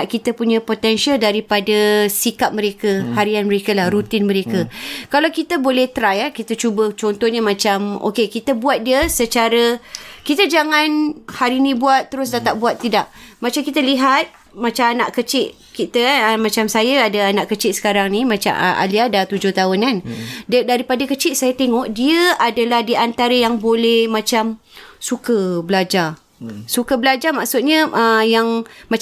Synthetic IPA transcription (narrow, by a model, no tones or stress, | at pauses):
ʔkit̪əpuɲə̃pot̪ɛnʃialdaɾipadəsikap̚məɾekəhaɾianməɾekəlahɾut̪ɪnməɾekəkalawkit̪əbolɛht̪ɾajakit̪ət͡ʃubət͡ʃɔnt̪ɔhɲəmãt͡ʃamo̰kekit̪əbuat̪̚diəsət͡ʃaɾəkit̪əd͡ʒaŋanhaɾinĩbuat̪ːəɾʊs̬dat̪aʔ̚buat̪ːidaʔ̚mat͡ʃamkit̪əliɦat̪̚ | mat͡ʃaanaʔkət͡ʃɪʔ | kit̪əmat͡ʃamsajəadaanaʔkət͡ʃɪtʔsə̥kaɾaŋnimat͡ʃa̰ʔa̰liadat̪ud͡ʒʊht̪aʊnanddaɾipadakət͡ʃɪʔsajət̪eŋɔʔdiəadəlahdiant̪aɾəjaŋbolɛhmãt͡ʃam | sukəbəlad͡ʒar | sukəbəlad͡ʒamaʔksʊt̪̚ɲəəjaŋma